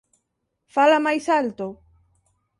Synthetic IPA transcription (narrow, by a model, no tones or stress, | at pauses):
falamajsalt̪o